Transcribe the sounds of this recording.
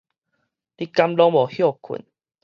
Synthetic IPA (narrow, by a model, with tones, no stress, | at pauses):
li˦ka˦mlɔ˦ŋbɔ˨˩hjɔ˥˨kʰṵ˨˦n